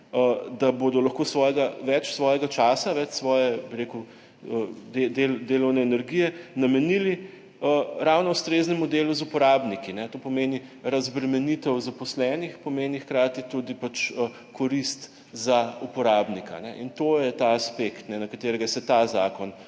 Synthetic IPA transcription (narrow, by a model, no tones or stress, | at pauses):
əd̪abod̪ɔlɐxkoːsʋɔːjɛɡaʋɛt͡ʃsʋɔːjɛɡat͡ʃaːsaʋɛt͡ʃsʋɔːjɛbiɾeːku | əd̪ed̪eld̪eːlɔwnɛːnɛɾɡijɛnɐmɛnili | əɾawnɔust̪ɾeːznɛmud̪eːluzupɔɾaːbnikinɛt̪opɔmeːniɾɐzbɾɛmɛnit̪ɛwzapɔslɛːnixpɔmeːnixkɾaːt̪it̪ud̪ipat͡ʃə | kʰɔɾist̪ | zaupɔɾaːbnika̰nɛ̰ʔint̪ojɛt̪aːspekt̪nɛnɐkat̪eːɾɛɡasɛt̪aza̰ːkɔn